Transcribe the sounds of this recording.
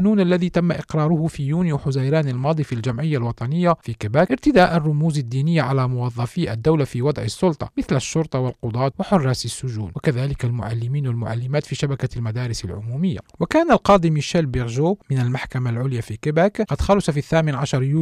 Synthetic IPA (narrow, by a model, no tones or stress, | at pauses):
nuːnælːæðit̪amːaʔɪqɾˤɑːɾˤʊhʊfijunjuħʊzajɾæːnalmɑːd̪ˤifilʒamʕɪjːalwɑt̪ˤɑnəjːafikɪbæːkʔəɾt̪ɪd̪aːʔarˤːʊmuːzad̪ːiːnɪjːaʕalæmʊwɑðˤːɑfiʔæ̰d̪ːawlafiwɑd̪ˤʕɪsˤːʊlt̪ˤɑ̰mɪθlæʃːʊɾˤt̪ˤɑwɪlqʊd̪ˤɑːt̪waħʊrˤːɑːsɪsːʊʒṵːnwakaðæːlɪkalmʊ̰ʕa̰lːɪmiːnwalmʊ̰ʕa̰lːɪmæːt̪fiʃabakalmad̪æːɾɪsa̰lʕʊ̰muːmɪjːa̰wakæːnalqɑːd̪imiʃæːlbɪɣʒomɪnalmaħkamalʕʊljafikɪbæːkqɑd̪xælʊsɑfiθːæːmɪnʕaʃɑɾˤjuː